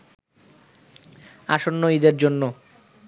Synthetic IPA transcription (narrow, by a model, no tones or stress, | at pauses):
aʃonːoid̪eɾd͡ʑonːo